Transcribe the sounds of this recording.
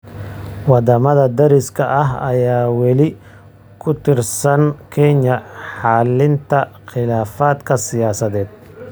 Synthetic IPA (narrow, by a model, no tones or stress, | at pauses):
wɑd̪ɐmɐðɐd̪ɐɾɪskʰɐʔɐɦɐjaːwɛlɪ | kʰʊt̪ʰɪrsɐnkʰɛɲɐħɑːlɪnt̪ʰɐqɪlaːfaːd̪kʰɐsɪjaːsɐðɛːd̪̚